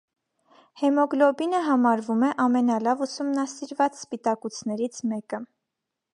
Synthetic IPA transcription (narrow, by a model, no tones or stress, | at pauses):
hɛmɔɡlɔbinəɦɑmɑɾvumɛʔɑmɛnɑlɑvusumnɑsiɾvɑt͡sspit̪ɑkut͡sʰnɛɾit͡sʰmɛkə